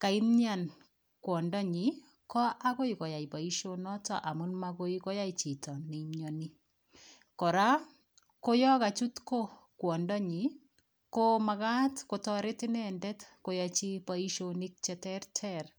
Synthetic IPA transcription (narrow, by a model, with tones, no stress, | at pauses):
ka˨i˦mɲa˦˨n | kwɔ˨ndɔ˦ɲi˨ | kɔ˦ʔa˦ko˦ikɔ˨ja˨ipa˨i˦ʃonɔ˦tɔ̰˨ʔa˨munmako˦iko˦ja˦it͡ʃi˨tɔ˨ne˨mɲɔni˦ | kɔ˨ɾa˦ | ko˦jɔ˦ka˨t͡ʃu˦tko˦ | kwɔ˨ndɔ˦ɲi˨ | koma˨ka˦tkotɔ˦ɾe˦tɪ˦nɛndɛtko˨jɔt͡ʃipa˦i˦ʃonik̚t͡ʃɛtɛ˦rtʰɛr